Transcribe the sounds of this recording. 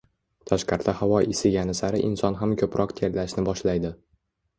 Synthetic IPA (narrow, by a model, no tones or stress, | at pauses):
t̪ʰaʃqɑɾt̪ahavɒjɪsɪɡjʲanɪsaɾɪʔɪnsɒnɦamkʰʲɵpɾʔɒqt̪ʰellaʃnɪbɒʃlajd̪ɪ